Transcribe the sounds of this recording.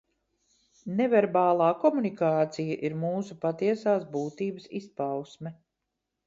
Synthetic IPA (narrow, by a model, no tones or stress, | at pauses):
nɛvɛɾbaːlˠaːkɔmunikaːt̪sijaʔiɾmuːsupat̪iɛsaːsbuːt̪iːbəsispawsmɛ